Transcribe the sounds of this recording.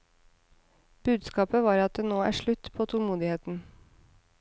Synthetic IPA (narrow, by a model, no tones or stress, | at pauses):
b̥ʉːd̪skɑːpəʋɑːɾɑt̪̚d̪eːnoːæ̰ːʃɭʉt̪pʰoːt̪ʰʊlmuːd̪ɪheːt̪n̩